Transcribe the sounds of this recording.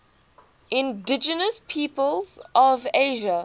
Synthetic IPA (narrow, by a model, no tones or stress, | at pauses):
ʔɪ̃ndɪd͡ʒənəspʰiːpəlzʔɔveɪʒə